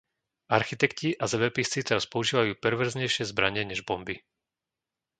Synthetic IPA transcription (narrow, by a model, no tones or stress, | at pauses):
aɾxit̪ɛkciʔazɛbɛpist͡sit̪ɛɾaspɔuʒiːʋajuːpɛɾʋɛɾzɲɛjʃɪɛzbɾa̰ɲɛɲɛʒbɔmbi